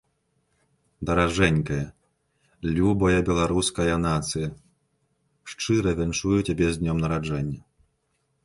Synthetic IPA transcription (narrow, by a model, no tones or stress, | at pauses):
d̪ɐɾaʐɛnʲkɐjɐ | lʲubɐjɐbʲɛlˠaɾuskɐjɐnat̪sɨjɐ | ʂt͡ʂɨɾɐvʲɛnt͡ʂujut͡sʲabʲɛzʲd̪ʲnʲɔmnɐɾad͡ʐɛnʲːɐ